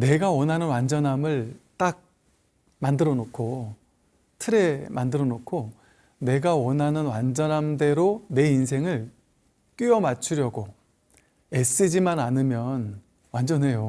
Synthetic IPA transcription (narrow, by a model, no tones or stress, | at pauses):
ne̞ɡawʌnɦanɯnwand͡ʑʌnɦamɯɭt͈ak̚ | mandɯɾʌnokʰo | tʰɯɾe̞mandɯɾʌnokʰo | ne̞ɡawʌnɦanɯnwand͡ʑʌnɦamde̞ɾone̞insʰe̞ŋɯɭ | k͈iʌmat͡ɕʰuɾjʌɡo | es͈ɯd͡ʑimananɯmjʌn | wand͡ʑʌnɦe̞jo